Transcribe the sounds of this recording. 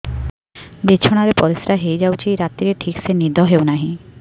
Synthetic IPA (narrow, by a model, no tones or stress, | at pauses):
bit͡ɕʰoɽ̃aɾepɔɾisɾaɦejd͡ʑawt͡ʃʰijɾat̪ːiɾeʈʰiksenid̪ʱɔɦewnaɦĩ